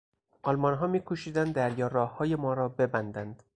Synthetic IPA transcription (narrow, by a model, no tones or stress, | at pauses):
ʔɒlmɒnɦɒːmiːkʰoʃiːd̪ænd̪d̪æɾjɒːɾɒːhhɒːje̞mɒːɾɒːbe̞bænd̪ænd̪̥